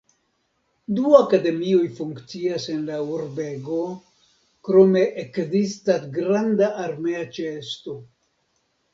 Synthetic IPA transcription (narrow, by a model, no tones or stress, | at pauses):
duakade̞mio̞jfuŋkt͡siase̞nlauɾbe̞ɡo̞ | kɾo̞me̞ʔekzistasɡɾandaʔaɾmeat͡ʃesto̞